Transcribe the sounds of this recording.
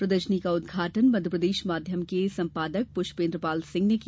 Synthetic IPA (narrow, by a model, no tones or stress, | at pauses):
pɾɐd̪əʃənikaʊd̪̚ɡʱaːʈənmɐd̪ʱjəpɾəd̪eːʃmaːd̪ʱjəmkesɐ̃mpaːd̪ək̚pʊʃpẽːnd̪ɾəpaːlsɪ̃ŋɡnek